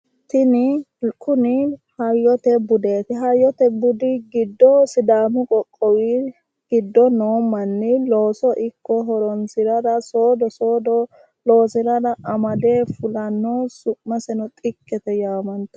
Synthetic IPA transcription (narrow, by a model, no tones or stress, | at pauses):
t̪ɪnɪ | kʰʼʊnɪhɐjːɔt̪ɛbʊd̪e̞ːt̪ɪɦɐjːɔt̪ɛbʊd̪ɪɡɪd̪ːɔsɪd̪aːmʊkʼɔkʼːɔwi | ɡ̥ɪd̪ːɔnoːmːɐnːɪlo̞ːsɔʔɪkːɔɦɔɾɔnsɪɾɐdɐsoːd̪ɔsoːd̪ɔ | lo̞ːsɪɾɐdɐʔɐmɐd̪eːfʊlɐnːoːsʊʔːɐsɛnɔt̪ʼɪkʼːɛt̪ɛjaːmɐnt̪ɐ̥